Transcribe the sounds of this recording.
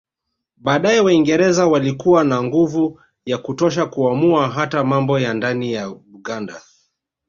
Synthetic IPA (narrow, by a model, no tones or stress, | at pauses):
ɓaːɗajɛwaiŋɡɛɾɛzawalikuwanaŋɡuvu | jakutɔʃ̬akuamuaɦatamambɔjandanijauɠanda